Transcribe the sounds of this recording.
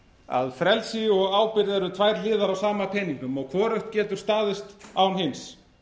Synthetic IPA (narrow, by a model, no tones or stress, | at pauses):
a̰ðfɾɛlsɪɔɣaːwpɪɾðɛɾʏt̪ʰvajɾlɪːðaɾawsaːmapʰɛniŋkʏmɔɣkʰvɔːɾœht̪̚cɛːt̪ʏɾ̥st̪aːðɪst̪aːwnɦɪns